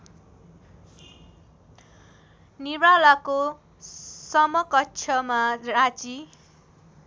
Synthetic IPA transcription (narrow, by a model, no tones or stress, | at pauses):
niɾalako | sʌmʌkʌtːt͡ʃʰʌmarat͡si